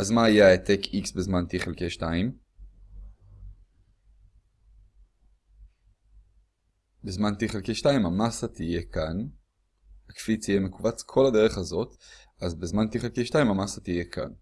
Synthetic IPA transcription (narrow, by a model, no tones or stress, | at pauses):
azmaːjaet̪ekiksbezmant̪iiχelkejʃtaim | bezmant̪iχelkejʃtaimamasat̪ije̞kan | akfit͡sijeme̞kubat͡skʰo̞lade̞ʁ̞eχazo̞t | azbezmant̪iχelkejʃtaimamasat̪ije̞kʰa̰n